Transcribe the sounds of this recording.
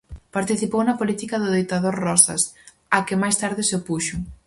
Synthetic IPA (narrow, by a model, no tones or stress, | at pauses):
paɾt̪iθipownɐpolit̪ikɐðʊðejt̪aðoɾrɔsɐ̰s | akɪmajst̪aɾðɪsɪpuʃʊ